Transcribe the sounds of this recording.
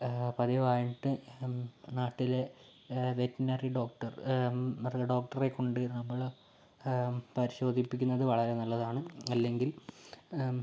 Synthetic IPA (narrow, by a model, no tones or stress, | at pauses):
pɐðiʋaːjɳʈːɨ | naːʈːile̞ | ʋetːinɐriɖo̞ːk̚ʈɐr | rɖo̞ːk̚ʈɐre̞kːo̞ɳɖɨnɐmːɐɭ | pɐɾiɕo̞ːd̪ʱipːikʲːunːɐðɨʋɐɭɐɾe̞nɐlːɐðaːɳɨɐlːe̞ŋɡil